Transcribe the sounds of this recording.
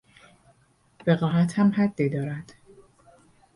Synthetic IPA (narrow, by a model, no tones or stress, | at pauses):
ve̞ɣɒːʔæt̪ʰhæmhæd̪ːiːd̪ɒːɾæd̪̥